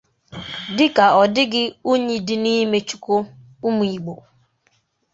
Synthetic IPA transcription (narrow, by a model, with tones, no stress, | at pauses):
dɪ˦ka˨ɔ˨dɪ˦ɡɪ˦o˦ɲe˦dɪ˦ni˦me˦t͡ʃu̥˨ko˦ | u˦mu˨i˨ɡ͡bo˨